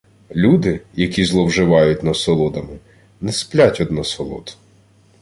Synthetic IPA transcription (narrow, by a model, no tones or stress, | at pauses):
lʲud̪ɪjɐkʲizlˠɔwʒɪʋɑjʊtʲnɐsɔlˠɔd̪ɐmɪ | nɛsplʲatʲɔd̪nɔsɔlˠɔ̰d̪